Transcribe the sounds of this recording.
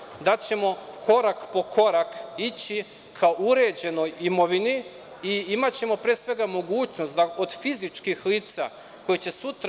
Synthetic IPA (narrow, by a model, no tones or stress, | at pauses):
d̪at͡ɕe̞mo̞kʰo̞ɾakpo̞kʰo̞ɾakit͡ɕi | kʰauɾe̞d͡ʑe̞no̞jimo̞ʋini | iimat͡ɕe̞mo̞pɾeːsʋe̞ɡamo̞ɡuːt͡ɕnost̪d̪aod̪fizit͡ʃkixliːt̪sa̰ | ko̞jet͡ɕe̞sut̪ɾ